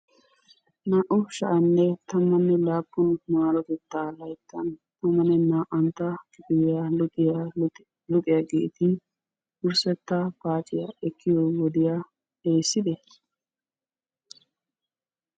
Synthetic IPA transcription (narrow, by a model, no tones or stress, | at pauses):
naːʔɔʃɐʔɐnːɛt̪ɐmːɐnːɛlaːpːʊnmaːɾɔt̪ɛt̪ːaːlɐjt̪ʰːɐnt̪ɐmːɐnɛnaːʔɐnt̪ːɐɡɪbɪjjaɪja | lʊkʼɪjaɡḛːt̪ɪ | ʔʊɾsɛt̪ːɐpaːt͡ʃʼɪjaɛkʰːɪjɔwɔd̪ɪja | eːsːɪd̪ɛ